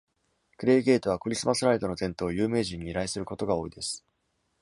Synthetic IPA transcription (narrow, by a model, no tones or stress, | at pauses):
kɯ̟ɾe̞ːɡe̞ːt̪oβ̞akɯ̟ɾʲisɨmasɨɾait̪o̞no̞t̪ẽnt̪o̞ːjɯ̟ːme̞ːʑĩɲ̟ːiːɾaisɨɾɯ̟ko̞t̪o̞ɡao̞ːid̪e̞sɨ̥